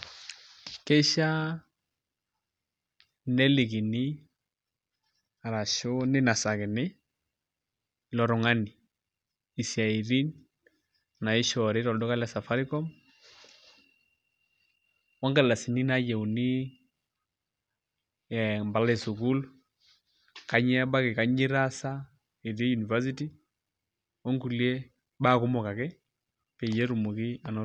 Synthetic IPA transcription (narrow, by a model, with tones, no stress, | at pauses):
kɛ˦ʃa˦ | nɛ˦li˨ɡi˨ni˦ | a˨ɾa˨ʃʊ˦nɪ˦na˨sa˨kɪ˨nɪ˦ | lɔ˨ɾʊ˨ŋa˦niː˨ | si˨a˨i˨ɾi˦n | na˨ɪ˦ʃɔ˨ɾɪ˦ɾɔ˨ldɔ˦ka˦lɛ˨sa˨fa˦ɾi˦kɔ˦m | wɔ˦ŋɡa˨la˨si˨ni˦na˦jɛ˨u˨ni˦ | ɛ˨mba˨la˦e˨su˨ku˦l | ka˦ɲ˦ɛ˦ba˦ke˨ka˨˦ɲi˦ɾa˦sa˦ | e˨ɾe˦ju˨ni˨va˦s̬i˦ti˦ | ɔ˦ŋku˨li˦ɛ˦ | ba˦˨ku˦mɔ˨ka˨kɛ˦ | pe˨jɛ˦ɾu˨mu˨ki˦a˨nɔ˦